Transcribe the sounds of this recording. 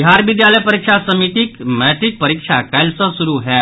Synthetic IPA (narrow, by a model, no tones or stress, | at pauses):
biɦaɾʋid̪jaləjpəɾikʂasəmiʈ̪iːkmɛʈ̪ɾiːk̚pəɾikʂakajlsəsuɾuɦɛ